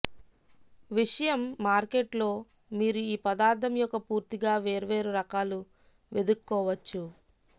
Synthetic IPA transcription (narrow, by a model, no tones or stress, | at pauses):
ʋiʂɐjɐmːaːɾkeʈlo̞ː | miːɾuiːpɐd̪aːɾt̪ʰɐmjɔkːɐpuːɾt̪iɡaːʋe̞ːɾɐʋe̞ːɾuɾɐkaːlu | ʋe̞d̪ukukːɔːʋɐt͡ʃːu